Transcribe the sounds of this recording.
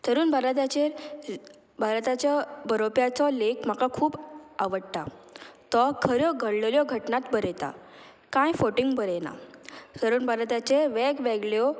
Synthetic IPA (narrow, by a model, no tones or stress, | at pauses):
t̪ʰəɾuːnbʱaɾt̪at͡ɕeɾ | bʱaɾt̪at͡ɕjabəɾopjat͡sɔlekm̤akakʰuːbaʋəɽt̪at̪ɔkʰəɾjɔɡʱəɽlljɔɡʱəʈnat̪bəɾet̪a̰ | kãjfoʈiŋɡbəɾena̰t̪əɾuːnbʱaɾt̪at͡ɕeʋɛɡʋɛɡɭjɔ